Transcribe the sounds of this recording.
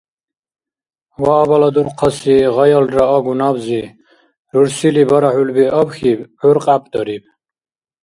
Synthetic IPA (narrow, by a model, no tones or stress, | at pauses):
waːbalad̪uɾqʰɔsiʁajalɾaɔɡunabzi | ɾuɾsilibɔɾaħulbiʔɔbxibʕuɾqʼapʰʼd̪̥ɔɾib̚